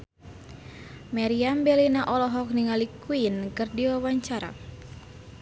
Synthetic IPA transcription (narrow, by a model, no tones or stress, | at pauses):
maɾiambɛlinaʔɔlɔɦɔk̚niŋalikuinkɨrdiwawaɲt͡ʃaɾa̰